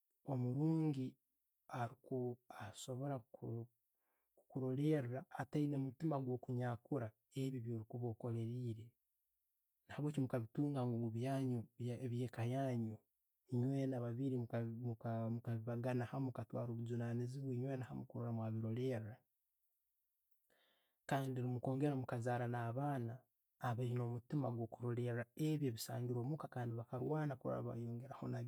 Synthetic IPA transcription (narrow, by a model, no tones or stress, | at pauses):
o̞muɾuːŋɡi | aɾikuaso̞βo̞ɾa | kukuɾo̞le̞ɾɾaːtainemutimaɡwo̞ːkuɲaːkuɾa | eβiβjoːɾikuβo̞ko̞le̞ɾiːɾe̞ | nahaβweːcimukaβituːŋɡaŋɡuɡuβjaːɲoβaβje̞ːkajaːɲo | ɲwe̞naβaβiɾimkmuamukaβiβaɡanahamukatwa̰ːɾoːβuzunaniziβweɲwe̞ːnahamukuɾoɾamwaβiɾo̞ɾe̞ːɾa | kaːndiɾimuko̞ːŋɡe̞ɾamukazaːɾanaːβaːnaː | βaɾino̞mutimaɡwo̞ːkuɾo̞ɾe̞ɾaeβjeβisaːɲɡiɾo̞ːmukakaːndiβakaɾwaːnakuɾo̰ɾa̰βa̰joːŋɡeɾaho̞̰na